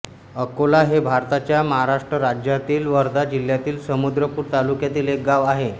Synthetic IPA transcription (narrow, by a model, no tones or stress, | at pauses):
əkolaɦebʱaɾt̪at͡ɕjaməɦaɾaʂʈɾəɾad͡ʑjat̪iːlʋəɾd̪ad͡ʑil̤jat̪iːlsəmud̪ɾəpuːɾt̪alukjat̪iːlek̚ɡaʋaɦe